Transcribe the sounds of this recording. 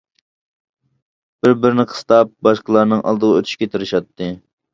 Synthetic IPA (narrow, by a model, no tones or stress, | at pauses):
b̥ɪɾbɪɾnɨqʰə̥st̪ɑp̚bɑʃqlˠɑɾnɨŋʔɑ̰lˠd̪əʁɑøt̪ʰy̥ʃkʲɛt̪ʰɪɾɪʃɑt̪ːɨ